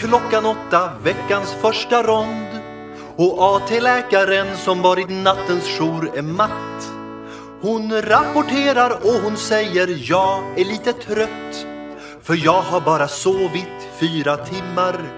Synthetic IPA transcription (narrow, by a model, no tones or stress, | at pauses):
kʰlɔkːanɔt̪ːavɛkːansfœʂʈaɾɔnd̪ | ɔʔɑːt̪ʰeːlɛːkaɾənsɔmvɑːɾɪt̪nat̪ːənsɧuːɾɛɾmat̪ː | hʊnɾapʊʈʰeːɾaɾɔɦʊnsɛjːəɾjɑːɡæɭiːt̪ət̪ʰɾœt̪ː | fœɾjɑːɡɦaɾbɑːɾasoːvɪt̪ | fyːɾat̪ʰɪmːaɾ